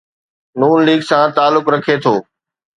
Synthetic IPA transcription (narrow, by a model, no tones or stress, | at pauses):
nuːnliːɡsãt̪aːlʊkɾɐkʰet̪ʰoː